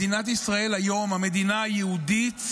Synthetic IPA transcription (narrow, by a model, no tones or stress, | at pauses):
inat̪̬isʁae̞lajo̞mhame̞d̪inaajehudit̪